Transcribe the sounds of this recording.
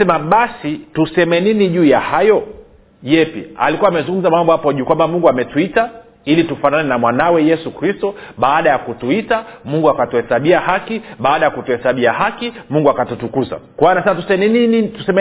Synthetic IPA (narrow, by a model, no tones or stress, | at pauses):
sɛmaɓasitusɛmɛniniʄuːjahajɔ | jɛpḭa̰likuwaːmɛzuŋɡum̩zamambɔhapɔʄuːkwambamuŋɡuamɛtuita | ilitufananɛnamwanawɛjɛsukɾistɔɓaːɗajakutuitamuŋɡuakatuhɛsaɓiahakiɓaːɗajakutuhɛsaɓiahakimuŋɡuakatutukuza̰kwanasɛmatusɛnininitusɛmɛ